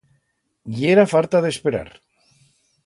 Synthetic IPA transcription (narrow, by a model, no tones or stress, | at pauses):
eɾafalt̪aðespeɾa̰ɾ